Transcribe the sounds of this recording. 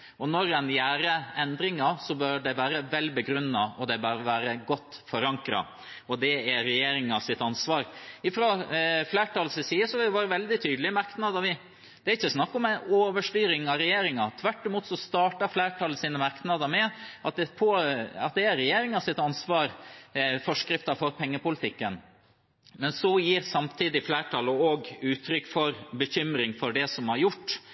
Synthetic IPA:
ɔnɔɾɛnjæːɾəɛnd̪ɾɪŋɑsɔbœɾɖɛʋæːɾəʋɛlbəɡɾʉnːɑɔd̪ɛbæːɾʋæːɾəɡɔt̪ːfɔɾɑŋkɾɑ̰ | ɔd̪ɛæɾɛjeːɾɪŋɑsɪt̪ɑnsʋɑːɾɪfɾoflæːʈɑlsəsiːəsɔhɪɪʋɑːɾəʋɛld̪ɪt̪ʰyːd̪əlɪmɑɾknɑd̪ɑʋɪ | d̪̥ɛæɾɪçːəsnɑkːɔmænoːʋəʂʈyːɾɪŋɑɾɛjeːɾɪŋɑt̪ʰʋæʈːɪmuːt̪sɔst̪ɑːʈɑɾflæːʈʰɑlːəsiːnəmɑɾknɑd̪əmɛʔɑt̪̚d̪ɛpʰɔɑ̰t̪̚d̪ɛæɾɛjeːɾɪŋɑsɪt̪ɑnsʋɑːɾfɔʂkɾɪft̪ɑfɔɾpʰɛŋːəpʊlɪt̪ʰɪkːən | mɛnsɔjiːɾsɑmt̪ʰiːd̪ɪflæːʈʰɑləɔɡʉːt̪ʰɾʏkːfɔɾbəçʏmɾɪŋfɔɾɖɛsɔmhɑɾjʊʈː

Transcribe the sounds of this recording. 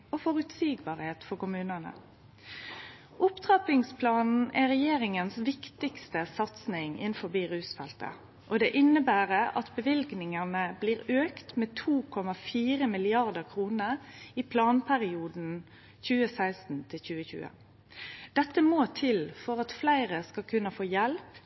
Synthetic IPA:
ɔfɔʁʉt̪siːɡbɑːʁheːt̪fɔkʊmʉːnɑnə̰ | ʔʊpt̪ʰʁɑpɪŋspʰlɑːnn̩æʁɛjeːɾɪŋənsʋɪkt̪ɪkst̪əsɑt̪snɪŋɪ̰nfɔbiːʁʉːsfɛlt̪ə̰ | ʔɔd̪ɛːʔɪnəbæːʁəʔɑt̪bəʋɪlɡnɪŋɑnəbliːʁøːkt̪meːt̪ʰuːkʰɔmɑfiːʁəmɪlɪɑʁd̪əʁkʰʁuːnəɾipʰlɑːnpʰæʁɪuːd̪n̩ | çʉːəsæɪst̪n̩t̪ʰɪlçʉːəçʉ̰ːə̰ | d̪̥ɛt̪ːəmoːt̪ʰɪlfɔɾɑt̪flæɪʁəskɑlkʰʉnːəfoːjɛlp

